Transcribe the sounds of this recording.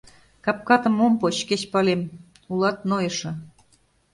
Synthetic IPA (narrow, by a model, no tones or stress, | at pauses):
kɑp̚kɑt̪ɤ̆mompot͡ɕket͡ɕpɑlem | ulˠɑt̪̚nojɤ̆ʃɤ̆